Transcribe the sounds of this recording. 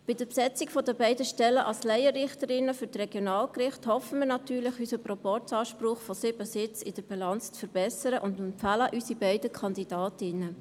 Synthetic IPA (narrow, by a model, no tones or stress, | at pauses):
b̥ɪd̥əpsɛt͡sɪkfɔdəbɛɪdəʃtɛləʔɑlslɛɪəɾɪχtəɾɪnəfʏɾtrɛɡ̥jonɑːlkrɪχthɔfəmɪːɾnɑtyːɾlɪχysəprɔpɔɾtɑːʃpɾʊχfɔsɪbəsɪt͡sɪd̥əɾb̥ilɑnt͡st͡sfəɾb̥ɛsəɾəʔʊndɛmpfæləʔysibɛɪdəkʰɑndid̥ɑːtɪnə